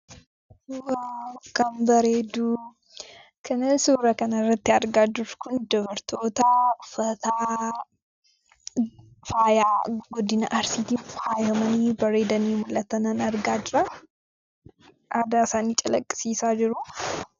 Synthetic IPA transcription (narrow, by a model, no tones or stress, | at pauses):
wɐkɐmbɐɾeːd̪u | kʰɐnɐnsuːɾɐkɐnɐɪrːɐt̪ːɪɐɾɡaːd͡ʒɪɾ̥kʊnd̪ɔβɐɾt̪ʰo̞ːt̪ɐfɐt̪aː | faːjaːɡɔd̪ɪnɐʔɐɾsiːt̪iːnfaːjɐmɐniːbɐɾeːd̪ɐniːmʊlːɐt̪ɐnɐnɐɾɡaːd͡ʒɪɾɐ | ʔd̪aɪsaːniːt͡ʃʼɐlɐkʼːɪ̥siːsaːd͡ʒɪɾʊ